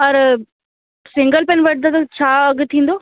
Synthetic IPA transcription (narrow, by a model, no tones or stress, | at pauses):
ɐɾ | sɪ̃ŋɡəlpenʋəʈ̚d̪at̪at͡ʃʰaːɐɡt̪ʰĩːnd̪oː